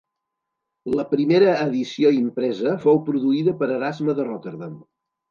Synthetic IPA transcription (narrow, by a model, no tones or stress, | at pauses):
ləpɾimeɾəːðisioimpɾɛzəfowpɾuðuiðəpəɾəɾazməðərɔt̪əɾðam